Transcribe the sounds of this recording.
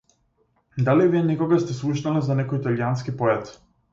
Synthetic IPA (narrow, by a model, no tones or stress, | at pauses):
d̪aliviɛnɛkɔɡast̪ɛslˠuʃnalɛzanɛkɔjit̪aljanskipɔɛt̪